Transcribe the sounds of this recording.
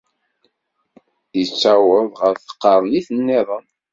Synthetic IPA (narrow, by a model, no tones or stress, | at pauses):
ət͡sːæwəðˤʁəɾθə̥qːɑɾˤniθənːeðˤən